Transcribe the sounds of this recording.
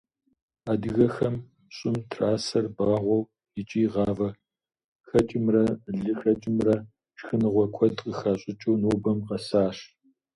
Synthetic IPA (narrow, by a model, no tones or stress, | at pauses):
aːdɨɣɐxɐm | ɕʼɪmtʰraːsɐrbaːʁʷɔw | ɪt͡ʃʼiːʁɑːvɐ | xɐt͡ʃʼɪmrɐɮɨxɐt͡ʃʼɪmrɐ | ʃxɨnɨʁʷɔkʷʰɔdqʼəxaːɕʼɪt͡ʃʼuwnoːbɐmqɐsaːɕ